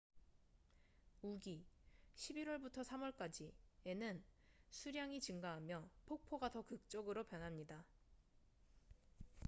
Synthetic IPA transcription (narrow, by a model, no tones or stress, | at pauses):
uɡiɕʰibiɾwʌɭbutʰʌsʰamwʌɭk͈ad͡ʑie̞nɯnsʰuɾjaŋit͡ɕɯŋɡaɦamjʌpʰok̚pʰoɡatʌkɯk̚t͡ɕ͈ʌɡɯɾopjʌnɦamɲida